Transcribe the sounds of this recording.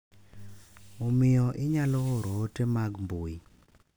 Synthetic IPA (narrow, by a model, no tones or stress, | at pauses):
omɪjɔʔɪɲalɔɔɾotemaɡmboi